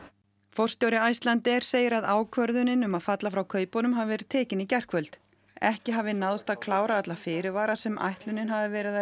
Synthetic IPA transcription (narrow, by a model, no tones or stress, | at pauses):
fɔr̥st̪jowɾɪajst̪lant̪ɛɾ̥seːjɪɾaðaːwkʰvœɾðʏnɪnʏmaðfat̪lafɾawkʰœːɥpɔnʏmɦavavɛːɾɪð̥t̪ʰɛːcɪnicɛr̥kʰvœlt̪ | ɛhcɪɦaːvɪnaðst̪aðkʰlaːwɾaat̪lafɪːɾɪvaːɾasɛmʔa̰jht̪lʏnːɪnɦavɪvɛːɾɪða